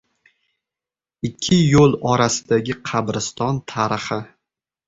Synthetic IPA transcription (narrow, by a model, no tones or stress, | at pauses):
ɪkʲʰːɪjolˠɒɾasɪd̪aɡʲɪqʰɑbɾɪst̪ɒnt̪ʰaɾɪχɪ